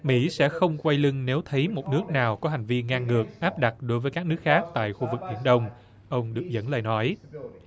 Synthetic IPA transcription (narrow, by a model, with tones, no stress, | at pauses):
mḭ˧˥sɛ̰˧˥xə˧wŋ͡mkwa˧jlɨ˧ŋne˨˦wt̪ʰə˨˦jmo˨˩t̚nɨ˦˥ək̚naː˨˩wkɔ˨˦ɦa˨˩jŋ̟vi˧ŋaː˧ŋːɨ˨˩ək̚ʔaː˦˥p̚ɗa˨˩t̚ɗo˨˦jvəː˨˦jkaː˦˥k̚nɨ˦˥k̚xaː˦˥k̚t̪a̰ː˧˨jxu˧vɨ˨˩k̚ɓḭ˧˩ənɗə˧wŋ͡m | ʔə˧wŋ͡mɗɨ˨˩ək̚zə̰˧˥nlə̰ː˨˩nɔ˨˦j